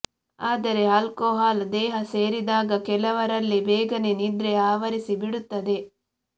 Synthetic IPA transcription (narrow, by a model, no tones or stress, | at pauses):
aːd̪ɐɾe̞ɦɐlkoːɦaːld̪ɛːɦɐse̞ːɾid̪aːɡɐkɛlɐʋɐɾɐlːibɛːɡɐnenid̪ɾeaːʋɐɾisibiɽut̪ːɐd̪e̞